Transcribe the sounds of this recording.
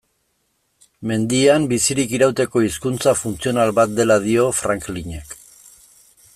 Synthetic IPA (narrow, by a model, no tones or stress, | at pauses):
me̞nd̪iambisiɾikiɾawt̪e̞ko̞iskunt͡safunt͡sio̞nalβat̪̚d̪e̞lað̞io̞fɾaŋkliɲe̞k